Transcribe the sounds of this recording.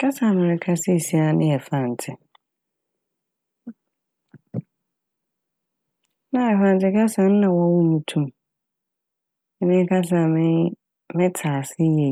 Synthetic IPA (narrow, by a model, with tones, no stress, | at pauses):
kʰa˦sa˨mɪ̃˨ɾɪ˦kʰa˦sɪ˦˨si˦a˨nɪ̃˦ɛ˨fã˨n˨tʰɪ˨ | nã˦ɛ˨fã˨n˨tʰɪ˦kʰa˦sã˨˦n˦nã˨wɔ˦wʊ˦mũ˨tʰũ˦m | ɛ˨nɪ̃˦kʰa˦s̬a˨mɪ̃˦ | mɪ̃˦tʰaː˨sɪ˦je˨